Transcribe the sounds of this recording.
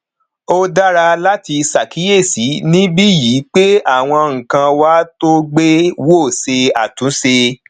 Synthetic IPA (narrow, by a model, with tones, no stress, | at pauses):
o˦da˦ɾa˧la˦ti˧sa˨kʰi˨˦je˦˨si˨˦nĩ˦bi˦ji˨˦k͡pe˦a˦˨w̃ɔ̃˧ŋ̩̃˨kã˧wa˦to˦ɡ͡be˦wo˦˨se˧a˨tũ˨˦se˧